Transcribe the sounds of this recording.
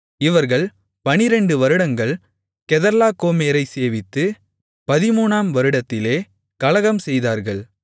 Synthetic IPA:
ɪʋɐɾɣɐɭ | pɐnɪɾɛɳɖɯʋɐɾɯɽɐŋɡɐɭ | kɛðɐɾlaːkoːmeːɾɐɪseːʋɪt̪ːɯ | pɐðɪmuːnaːmʋɐɾɯɽɐt̪ːɪleː | kɐlɐɣɐmsɛjðaːɾɣɐɭ

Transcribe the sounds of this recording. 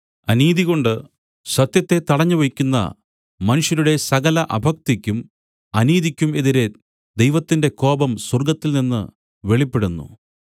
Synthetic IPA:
ɐniːðiɣo̞ɳɖɨ | sɐt̪jɐt̪ːe̞t̪ɐɽɐɲːɐʋɐjikʲːunːɐ̰ | mɐnuʂjɐnuɽe̞sɐɣɐlɐʔɐbʱɐk̚t̪ikʲːum | ɐniːðikʲːume̞ðiɾe̞ | d̪ejʋɐt̪ːinde̞ko̞ːbɐmswɐrɡɐt̪ːilninːɨ̰ | ʋe̞ɭipːe̞ɽunːṵ

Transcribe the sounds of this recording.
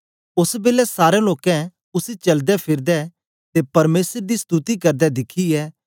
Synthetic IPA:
ʊsbeːlɛsaːɾẽloːkɛ̃ | ʊsit͡ʃɐld̪ɛpʰɪɾd̪ɛ | t̪epɐɾmeːsəɾd̪ist̪ut̪ikɐɾd̪ɛd̪ɪkʰiɛː

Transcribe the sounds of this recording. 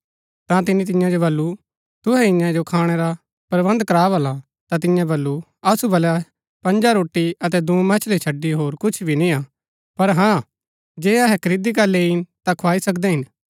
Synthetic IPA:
t̪ãt̪̬ɪnĩt̪ɪ̃jãd͡ʒobɐlːu | t̪ʊɦɛɪ̃jãd͡ʒokʰaːɽ̃ɛɾa | pɾɐbɐ̃nd̪kɐɾaːbɐla | t̪at̪̬ɪ̃jãbɐlːu | ɐsubɐlja | pɐ̃ɲd͡ʒaɾoːʈːiɐt̪̬ɛd̪ũːmɛt͡ʃʰlet͡ʃʰɐɖːiɦoːɾkʊt͡ʃʰbʱinĩa | pɐɾɦãː | d͡ʒeːɐɦɛkɐɾɪd̪ikalːeɪnt̪ãkʰoaːisɐkd̪ɛɦɪn

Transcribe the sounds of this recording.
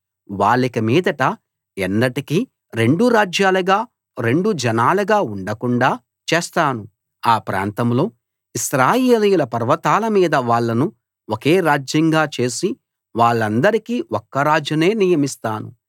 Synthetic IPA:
ʋaːɭːikɐmiːd̪ɐʈɐ | enːɐʈiki | ɾe̞ɳɖuɾaːd͡ʒjaːluɡaː | ɾe̞ɳɖud͡ʒɛnaːluɡaːuɳɖɐkuɳɖaː | t͡ʃeːst̪aːnu | aːpɾa̰ːnt̪ɐmlo̞ː | iʃɾaːjeːlijulɐpɐɾʋɐt̪aːlɐmiːd̪ɐʋaːɭːɐnu | oke̞ːɾaːd͡ʒjɐŋɡaːt͡ʃe̞ːsi | ʋaːɭːɐnd̪ɐɾikiːokːɐɾaːd͡ʒjɐne̞ːnijɐmist̪aːnṵ

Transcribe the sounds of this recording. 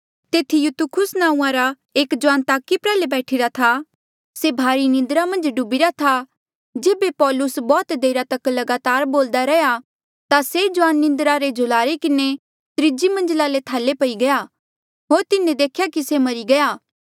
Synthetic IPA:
t̪eːt̪ʰijʊt̪ukʰʊsnãːũãɾa | eːkd͡ʒʊãːnt̪aːkipɾɛːlebɛːʈʰiɾat̪ʰa | sebʱaːɾinɪ̃nd̪ɾamɐ̃nd͡ʒɖʊbiɾat̪ʰa | d͡ʒeːbepɔːlʊsbɔːt̪d̪eːɾat̪ɐklɐɡaːt̪aːɾboːld̪aɾɛja | t̪ased͡ʒʊʋaːnːɪ̃nd̪ɾaɾed͡ʒʱʊlaːɾekɪne | t̪ɾɪd͡ʒimɐ̃nd͡ʒlalet̪ʰaːlepɐiɡɐja | ɦoːɾt̪ɪnẽd̪eːkʰjakisemɐɾiɡɐjaː

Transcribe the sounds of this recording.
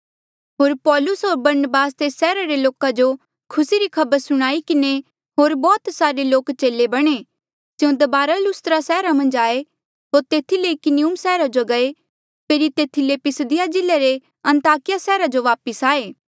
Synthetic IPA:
ɦoːɾpɔːlʊsɦoːɾbɐɾnəbaːst̪esɛːɾaɾeloːkad͡ʒo | kʰʊsiɾikʰɐbəɾsʊɽ̃aːikɪne | ɦoːɾbɔːt̪saːɾeloːkt͡ʃeːlebɐɽ̃e | sɪ̃ũd̪ɐbaːɾalʊst̪ɾasɛːɾamɐ̃nd͡ʒaːe | ɦoːɾt̪eːt̪ʰileikɪniʊmsɛːɾad͡ʒoɡɐe | pʰeːɾit̪eːt̪ʰilepɪsəd̪ɪjad͡ʒɪleɾe | ɐ̃nt̪aːkɪjasɛːɾad͡ʒoʋaːpəsaːeː

